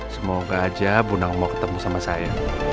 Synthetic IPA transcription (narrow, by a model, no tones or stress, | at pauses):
səmoɡaːd͡ʒabunaŋmokə̥t̪əmusamasaja